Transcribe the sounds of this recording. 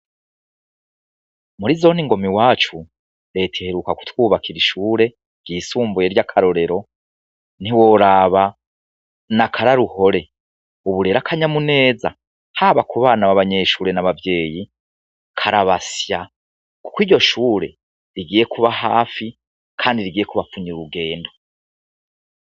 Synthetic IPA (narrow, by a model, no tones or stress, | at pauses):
muɾizo̞niŋɡo̞miwaːt͡ʃu | ɾe̞tʰeheɾukaku̥twuːβakʰiɾiʃuːɾe̞ | ɡ̥ɡɟiːsuːmbuje̞ɾɟakʰaɾo̞ɾe̞ɾo̞ | n̥iwo̞ɾaβa | nakʰaɾaɾuho̞ɾe̞ | uβuɾe̞ɾakʰaɲamune̞ːza | haːβakuβaːnaβaβaɲe̞ʃuːɾe̞naβavje̞ːji | kʰaɾaβasja | ku̥kiːɾɟo̞ʃuːɾe̞ | ɾiɡiːje̞kuβaɦaːfi | kʰaːndiɾiɡiːje̞kuβafuɲiɾuɡe̞ːndo̞